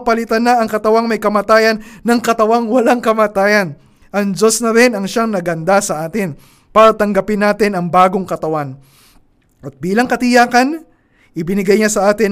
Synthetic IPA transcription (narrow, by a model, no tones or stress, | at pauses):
pɐlɪt̪ɐnɐɐŋkɐt̪ɐwaŋmɐjkɐmaːt̪aːjɐnːɐŋkɐt̪ɐwaŋwɐlaŋkɐmaːt̪aːjɐn | ʔɐŋd͡ʒo̞snɐɾɪnɐŋʃaŋnɐɡɐnd̪asɐʔaːt̪ɪn | paːɾɐt̪ɐŋɡɐpɪnːaːt̪ɪnɐŋbaːɡo̞ŋkɐt̪ɐwan | ʔɐt̪̚biːlɐŋkɐt̪ɪjaːkɐn | ʔɪbɪnɪɡajɲasɐʔaːt̪ɪn